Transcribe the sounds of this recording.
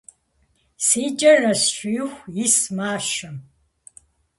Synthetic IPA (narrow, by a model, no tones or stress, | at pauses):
siːd͡ʒʼɐrɐsɕʷᶣjxʷismaːʃɐm